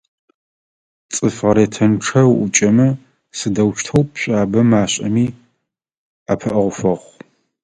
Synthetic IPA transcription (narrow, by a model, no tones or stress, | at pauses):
t͡sʼɨfʁɐɾeːtʰɐnʈ͡ʂʰɐwʔʊt͡ʃʼɐmɐ | sɨdɐwʃtʰɐwpʰɕʷʼaːbɐmaːɕʼɐ̰miː | apʰɐʔɐʁʷʊfɐʁʷ